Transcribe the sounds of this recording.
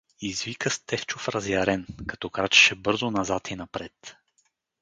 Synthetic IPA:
izvikəst̪ɛft͡ʃʊfɾɐzjɐɾɛnkɐ̥t̪ɔkɾat͡ʃɛ̥ʃɛbɤɾzʊnɐzat̪ʰinɐpɾɛt̪

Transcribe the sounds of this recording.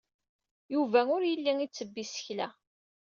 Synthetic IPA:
juvæʊɾjəlːiŋit͡sːəbːisə̥çlæ

